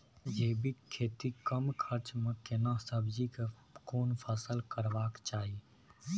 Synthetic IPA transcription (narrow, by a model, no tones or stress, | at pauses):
jeːbʱikʰeːt̪ikəmkʰəɾt͡ʃmẽkɪnasəbd͡ʒike | koːnpʰəsəlkəɾʋaːkt͡ʃaːɦie